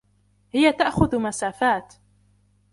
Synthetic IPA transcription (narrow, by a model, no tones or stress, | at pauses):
hɪjat̪aʔxʊðmasaːfaːt̪